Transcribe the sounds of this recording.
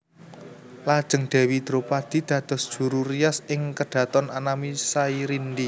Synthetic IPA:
lad̥ʒ̥ə̤ŋɖ̪̥ɛ̤wid̪̥ɾopad̪̥i̤d̪̥ä̤d̪̥ɔ̤sd̥ʒ̥ṳɾurijasɪŋkəɖ̪̥ä̤t̪ɔnanamisaiɾind̪i

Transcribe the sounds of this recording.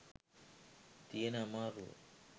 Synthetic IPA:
t̪ienamaɾṵ

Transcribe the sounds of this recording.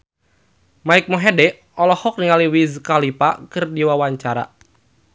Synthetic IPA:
maɪk̚mɔɦɛdɛʔ | ɔlɔhɔk̚niŋaliwizkalipa̰kɨrdiwawaɲt͡ʃaɾa̰

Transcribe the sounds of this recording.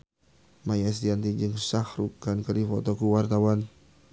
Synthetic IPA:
majas̬t̪iant̪id͡ʒɨŋsahɾukankəɾifɔt̪ɔkuwart̪awan

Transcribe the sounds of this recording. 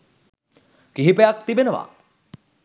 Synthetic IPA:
kiɦipejak̚t̪ibenəʋa̰

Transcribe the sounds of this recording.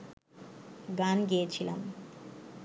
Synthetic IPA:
ɡaːnɡet͡ʃʰilɐ̰m

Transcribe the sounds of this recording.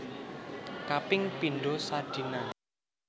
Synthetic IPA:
kapɪŋpinɖosad̥i̤na

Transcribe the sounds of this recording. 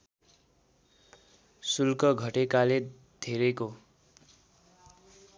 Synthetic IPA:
sulkʌɡʱʌʈekale | d̪ʱeɾeko

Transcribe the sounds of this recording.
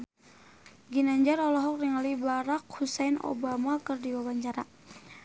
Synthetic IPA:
ɡinaɲd͡ʒarɔlɔɦɔk̚riŋalibaɾak̚husajno̰bamakərdiwawaɲt͡ʃaɾa

